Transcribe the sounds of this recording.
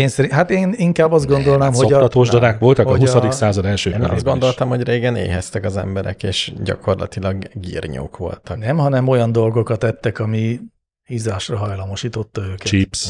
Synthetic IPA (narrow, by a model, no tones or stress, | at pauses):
eːnsɛɾiɦat̪eːniŋkaːbːɒzd̪ɡo̞nd̪o̞lnaːmɦoɒɒt̪oːʒd̪ɒd̪aːkʋo̞lt̪ɒkɒɦussɒd̪iksaːzɒd̪ɛlʃø̰ːn̰ɒ̰zɡo̞nd̪o̞lt̪ɒmho̞ɟreːɡɛnḛːɦɛst̪ɛkɒzɛ̰mbɛɾɛ̰keːʃɟɒ̰ko̞rlɒ̰t̪ilɒɡːḭːrɲo̰ːkʋo̞̰lt̪ɒnɛmɦɒnɛmo̞jɒnd̪o̞lɡo̞kɒt̪ɛt̪ːɛkɒmi | hizaːʃrɒɦɒjlɒmo̞ʃiːt̪o̞t̪ːɒøːkɛt͡ʃips